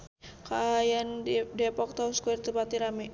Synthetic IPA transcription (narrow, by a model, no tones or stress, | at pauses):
kajandɛpɔk̚t̪auskuirt̪upat̪iɾami